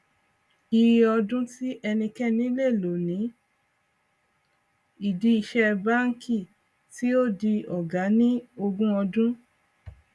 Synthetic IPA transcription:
i˧ɾi˧ɔ˧dũ˦ti˦ʔɛ˧nĩ˧kɛ˦nĩ˦le˦˨lo˨nĩ˨˦ | i˨di˨˦i˧ʃɛ˧ba˦ŋ̩˦ki˦˨ | ti˦o˦di˧ɔ˨ɡa˨˦nĩ˦o˧ɡũ˦ɔ˧dũ˦

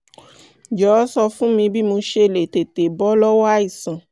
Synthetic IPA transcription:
d͡ʒɔ˨˦sɔ˧fũ˦mĩ˧bi˦mo˧ʃe˧˨le˨te˨te˨bɔ˨˦lɔ˦wa˦i˦˨sã˨

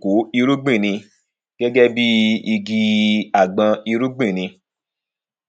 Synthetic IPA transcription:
ku˨˦i˧ɾu˦ɡ͡bĩ˦˨nĩ˧ | ɡ̥ɛ˦ɡɛ˦bi˦i˧ɡi˧a˦˨ɡ͡bã˧i˧ɾu˦ɡ͡bĩ˦˨nĩ˧

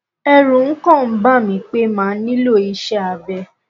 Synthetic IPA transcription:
ɛ˦ɾũ˨n̩˦kɔ̃˦˨m̩˦ba˦˨mĩ˨˦k͡pe˦mãː˨˦nĩ˦lo˦˨i˧ʃɛ˦a˨bɛ˧˨

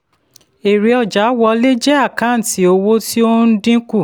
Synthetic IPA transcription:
e˨ɾi˨ɔ˨d͡ʒa˨˦wɔ˧le˦d͡ʒɛ˦a˦˨kã˨˦˨ti˨˦o˧wo˦ti˦o˦n̩˦dĩ˦ku˦˨

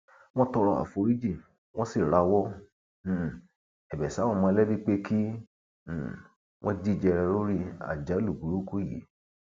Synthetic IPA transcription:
w̃ɔ̃˦tɔ˧ɾɔ˧a̰˨fo˧ɾi˦d͡ʒi˦˨ | w̃ɔ̃˦si˦˨ɾa˧wɔ˦˨ | ɛ˨bɛ˨sa˦w̃ɔ̃˦˨mã˧lɛ˦bi˦k͡pe˦ki˦˨ | wʔɔ̃˦di˦˨d͡ʒɛ˧ɾɛ˧ɾo˦ɾi˦a̰˨d͡ʒa˨˦lu˦˨ɡu˨ɾu˦ku˦˨jḭ˨˦

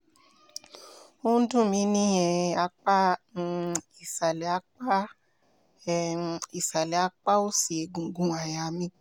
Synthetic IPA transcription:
o˦n̩˦dũ˦˨mĩ˧˦nĩ˦jɛ̃˧a˧k͡pa˦˧˦ | i˨sa˨lɛ˨a˧˦k͡pa˦ | i˨sa˨lɛ˨a˦k͡pa˦o˦si˨e˨ɡũ˨ɡũ˨a˨ja˨mĩ˧˦

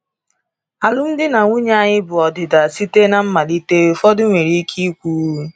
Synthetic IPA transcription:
a˨lʊ˦m̩˦dɪ˦na˨ŋʷʊ˦ɲ˦a˦ɲɪ˦bʊ˨ɔ˨dɪ˨da˨si˦te˦na˨m̩˦ma˨li˦te˦˨fɔ˦dʊ˦ŋʷe˨ɾi˦kʰi˦kʷu˦

